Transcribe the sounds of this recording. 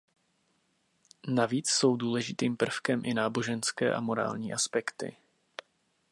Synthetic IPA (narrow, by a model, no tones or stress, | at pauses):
naviːt͡sso̞wduːlɛʒɪt̪iːmpr̩fkɛmʔɪnaːbo̞ʒɛnskɛ̰ːʔa̰mo̞ɾa̰ːlɲiːʔaspɛkt̪ɪ̰